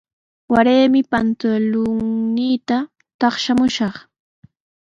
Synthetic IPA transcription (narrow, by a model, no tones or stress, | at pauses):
waɾeːmɪpant̪ʊlʊŋniːt̪a | t̪ɑχʃamʊʃɑχ